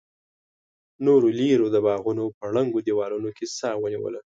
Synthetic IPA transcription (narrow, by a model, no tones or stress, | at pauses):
noɾoliɾod̪əbɑɣunopəɽəŋɡod̪iwɑɾunokʰesɑwəniwə̰la